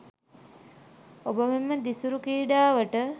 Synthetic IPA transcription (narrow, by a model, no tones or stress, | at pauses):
obəmemːəd̪isuɾukiːɖaːʋəʈə